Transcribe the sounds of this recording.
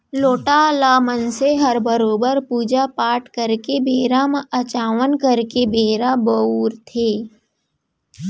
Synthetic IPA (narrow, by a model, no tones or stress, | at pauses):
loːʈalaːmənseɦəɾbəɾoːbəɾpuːd͡ʒapaːʈkəɾkebeːɾamɐt͡ʃaːʋənkəɾkebeːɾabəuːɾt̪ʰeː